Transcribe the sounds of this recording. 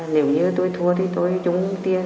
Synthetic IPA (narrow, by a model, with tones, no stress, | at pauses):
ne˨˩˦wɲɨ˧t̪o˧jt̪ʰu˧ət̪ʰi˨˩t̪o˧jt͡ɕʊ˧˦ŋ͡mt̪i˧ə